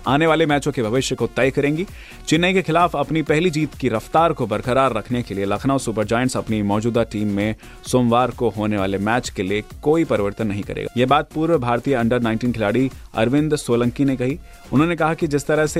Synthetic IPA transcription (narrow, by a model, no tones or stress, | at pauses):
aːneʋaːlemɛːt͡ʃõkebʱɐʋɪʃjəkot̪ɛːkɐɾẽːŋɡi | t͡ʃɪnːəikexɪlaːfɐpnipɛɦlid͡ʒiːt̪kiɾɐft̪aːɾkobɐɾkəɾaːɾːɐkʰnekelielɐkʰnaɔsʊpəɾd͡ʒaːɪə̃nʈsɐpnimɔːd͡ʒuːd̪aʈiːmːẽ | soːmʋaːɾkoɦoːneʋaːlemɛːt͡ʃkeliekoːipɐɾɪʋəɾt̪ənːɐɦĩkɐɾḛːɡajebaːd̪̚puːɾʋəbʱaːɾt̪ijəɐ̃ɳɖəɾnãːɪ̃nʈiːnkʰɪlaːɽiɐ̰ɾʋɪ̃nd̪soːlə̃ŋkinekɐɦi | ʊnɦõnekɐɦakid͡ʒɪst̪ɐɾəɦse